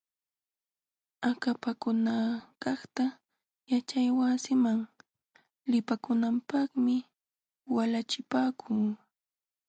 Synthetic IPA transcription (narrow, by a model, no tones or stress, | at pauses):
akapakʊnakɑχt̪a | jat͡ʃajwasɪmaŋ | lɪpakʊnampɑχmɪ | walat͡ʃɪpaːkʰuː